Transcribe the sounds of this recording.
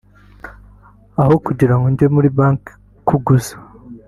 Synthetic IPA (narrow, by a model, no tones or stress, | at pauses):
ahokuɟiɾaŋɡoɲɟemuɾibaːŋk | kːuɡuzḁ